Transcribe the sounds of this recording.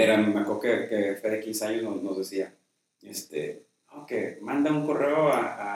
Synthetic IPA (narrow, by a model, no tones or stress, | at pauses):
eɾammeakokekefeðikinsajosnosnozðesia | est̪ḛ | okḛmãnd̪auŋko̞reoaa